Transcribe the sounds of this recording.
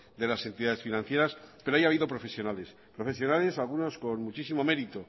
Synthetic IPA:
d̪e̞lase̞nt̪iðaðe̞sfinãn̟θje̞ɾaspeɾoaiaβiðo̞pɾo̞fe̞sjo̞nale̞s | pɾo̞fe̞sjo̞nale̞salɣuno̞skonmut͡ʃisimo̞me̞ɾit̪o

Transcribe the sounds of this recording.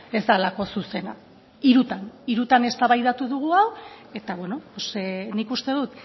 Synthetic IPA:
e̞zd̪alako̞suse̞na | iɾut̪aniɾut̪ane̞st̪aβajðat̪uðuɣ̞uawe̞t̪aβwe̞no̞posenikust̪e̞ðut̪

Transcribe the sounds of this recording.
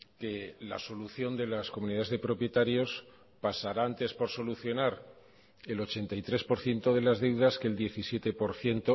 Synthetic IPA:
ke̞la̰so̞luθjo̞nd̪e̞laskomũniðaðezðe̞pɾo̞pje̞t̪aɾjo̞s | pasaɾaant̪e̞spo̞ɾso̞luθjo̞naɾ | e̞lo̞t͡ʃe̞nt̪ajt̪ɾe̞spo̞ɾθje̞nt̪o̞ðe̞lazðe̞wðaske̞ld̪je̞θisje̞t̪e̞po̞ɾθje̞nt̪o

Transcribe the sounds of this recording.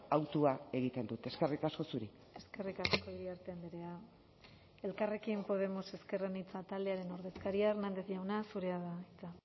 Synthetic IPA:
awt̪uae̞ɣ̞it̪e̞nd̪ut̪e̞ske̞rikasko̞suɾi | e̞ske̞rikasko̞iɾiaɾt̪end̪iɾe̞a | e̞lkare̞kimpo̞ð̞e̞mose̞skerenit͡sat̪ald̪eaɾe̞no̞ɾðe̞skaɾiaernand̪e̞θʝawnasuɾe̞aðait͡sa

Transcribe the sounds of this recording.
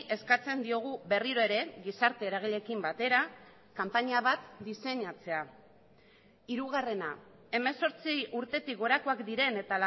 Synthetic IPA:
ʔe̞skat͡se̞nd̪io̞ɣ̞uβe̞riɾo̞e̞ɾe̞ɣisaɾt̪e̞ːɾaɣ̞iʎe̞kimbat̪e̞ɾa | kampaɲaβat̪d̪ise̞ɲat͡se̞a | iɾuɣare̞na | e̞me̞so̞ɾt͡siuɾt̪e̞t̪ikɡo̞ɾako̞akd̪iɾe̞ne̞t̪al

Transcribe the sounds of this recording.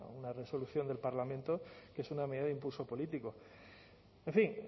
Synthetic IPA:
unare̞so̞luθjo̞nd̪e̞lpaɾlamẽnt̪oke̞sunameðiðaðimpulso̞po̞lit̪iko | eɱfiŋ

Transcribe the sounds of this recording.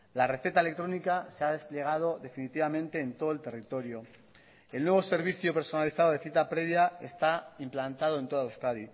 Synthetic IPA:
lare̞θe̞t̪aelekt̪ɾo̞nikase̞að̞e̞sple̞ɣ̞að̞o̞ðe̞finit̪iβamẽnt̪e̞ːnt̪o̞ð̞oelt̪e̞rit̪o̞ɾjo̞ | e̞lnwe̞β̞o̞se̞ɾβ̞iθjope̞ɾso̞naliθaðoð̞e̞θit̪apɾe̞βjae̞st̪aimplant̪aðoe̞nt̪o̞ðauwskaði

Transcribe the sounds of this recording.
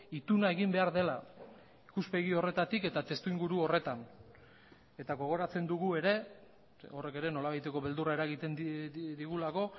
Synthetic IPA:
it̪unae̞ɣimbe̞aɾðe̞la | ikuspe̞ɣio̞re̞t̪at̪ike̞t̪at̪e̞st̪uiŋɡuɾuo̞re̞t̪an | e̞t̪aɣo̞ɣ̞o̞ɾat͡se̞nd̪uɣue̞ɾe̞ | o̞re̞ke̞ɾe̞no̞laβajt̪e̞ko̞βe̞ld̪uraeɾaɣit̪e̞nd̪iɣulako̞

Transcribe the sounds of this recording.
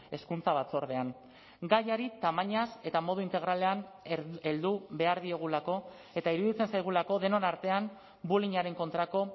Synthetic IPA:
e̞skunt͡saβ̞at͡so̞ɾð̞e̞an | ɡajaɾit̪amaɲase̞t̪amo̞ð̞uint̪e̞ɣ̞ɾale̞ane̞ld̪uβe̞aɾðie̞ɣ̞ulako̞ | e̞t̪aiɾuðit͡se̞nsajɣ̞ulako̞ðe̞no̞naɾt̪e̞am | buliɲaɾe̞ŋko̞nt̪ɾako̞

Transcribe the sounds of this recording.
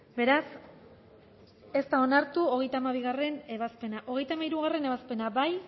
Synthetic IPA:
be̞ɾas | e̞st̪ao̞naɾt̪uo̞ɣe̞jt̪aːmaβiɣare̞ne̞βaspe̞naʔo̞ɣ̞e̞jt̪amaiɾuɣ̞are̞ne̞βaspe̞nabaj

